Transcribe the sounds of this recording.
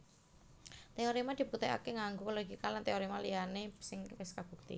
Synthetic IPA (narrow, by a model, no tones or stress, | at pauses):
t̪eoɾimad̪̥i̤put̪ɛʔa̰keŋaŋɡuloɡikalant̪eoɾimalijanesɪŋkɪskab̥ṳk̚t̪ḭ